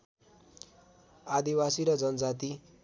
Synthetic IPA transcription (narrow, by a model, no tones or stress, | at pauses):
ad̪iwasiɾʌd͡zʌnʌd͡zat̪i